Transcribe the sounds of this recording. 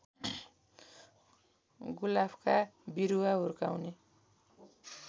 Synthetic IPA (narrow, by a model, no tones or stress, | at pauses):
ɡulabkabiɾuwaɦurkawne